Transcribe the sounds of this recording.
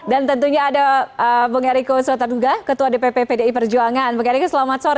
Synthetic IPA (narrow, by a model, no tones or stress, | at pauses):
dant̪ənt̪uɲaːdaəbəŋaɾikost̪arduɡakət̪uadepepepedaipərd͡ʒuaŋanbəŋaɾikusəlamat̪̚soɾ